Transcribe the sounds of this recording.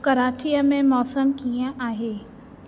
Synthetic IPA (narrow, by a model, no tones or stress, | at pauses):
kɐɾaːt͡ɕiːəmẽmɔːsəmkiə̃ʔaːɦeː